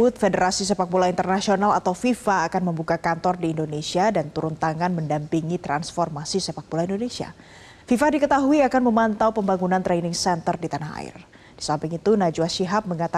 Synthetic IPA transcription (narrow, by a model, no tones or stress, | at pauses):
ʊt̪̚fedəɾasis̬epak̚bulaint̪ərnasionalat̪awfifaːkanməmbukakant̪ɔrdiːndonesiadant̪uɾunt̪aŋanməndampiŋit̪ɾansfɔrmasisepak̚bulaindonesia̰ | fifadikət̪aɦuiakanməmant̪awpəmbaŋunant̪ɾɛnɪŋsɛnt̪ərdit̪anaɦa̰ɪ̰r | d̥i̥sampɪŋit̪unad͡ʒuaʃiɦap̚məŋat̪a